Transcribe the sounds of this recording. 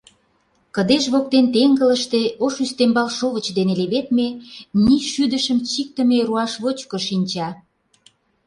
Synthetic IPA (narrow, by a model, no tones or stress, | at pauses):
kə̆d̪eʃβok̚t̪ent̪eŋɡələʃt̪eoʃyst̪embɑlʃoβə̆t͡ɕd̪eneleβet̪meniʃyd̪əʃəmt͡ɕik̚t̪ə̆meɾuɑʃβot͡ɕkŏʃinʲt͡ɕɑ